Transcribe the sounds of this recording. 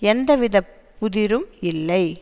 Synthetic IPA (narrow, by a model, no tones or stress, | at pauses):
ɛnd̪ɐʋɪðɐpːʊðɪɾɯmɪlːɐɪ